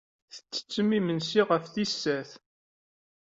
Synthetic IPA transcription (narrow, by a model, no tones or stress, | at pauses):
θə̥t͡sːə̥t͡sːəmːimənsiʁəfθisːæθ